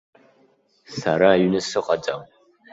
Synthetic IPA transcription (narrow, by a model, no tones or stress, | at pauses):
saɾaːɥnɨsɨqʼat͡sʼam